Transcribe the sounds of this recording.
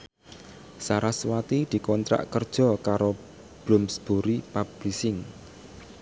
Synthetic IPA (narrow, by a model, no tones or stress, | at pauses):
saɾaswat̪id̪̥i̤kɔnt̪ɾa̰ʔkərd̥ʒ̥ɔ̤kaɾo | b̥lʊmsb̥oɾipab̥ɾisɪŋ